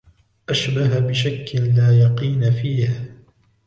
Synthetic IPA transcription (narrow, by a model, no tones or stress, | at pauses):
ʔaʃbaɦabɪʃakːɪlaːjɑqiːnfiːh